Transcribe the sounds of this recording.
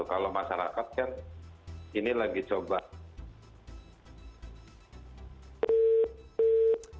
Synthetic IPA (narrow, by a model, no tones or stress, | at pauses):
kalomaʃaɾa̰kat̪̚kan | inilaɡit͡ʃobaʔ